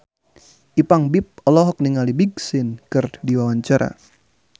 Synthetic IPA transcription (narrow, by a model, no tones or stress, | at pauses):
ʔipaŋbip̚ɔlɔɦɔk̚niŋalibiɡsɪnkɨrdiwawaɲt͡ʃaɾʔa̰